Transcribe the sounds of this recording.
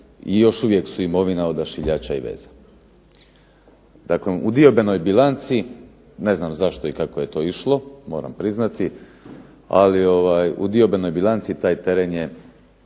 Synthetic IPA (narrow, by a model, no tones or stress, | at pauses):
ijo̞ʃuʋjeksuimo̞ʋinaod̪aʃiʎaːt͡ɕaiʋḛːz̥a | d̪̥akleud̪io̞beno̞jbilˠant̪si | ne̞znamzaʃt̪oikakoje̞t̪o̞ːiʃlˠo̞mo̞ːɾa̰mpɾiznat̪i | a̰lio̞ʋaːjṵd̪io̞be̞no̞jbilˠant̪sit̪aːjt̪e̞ɾenje̞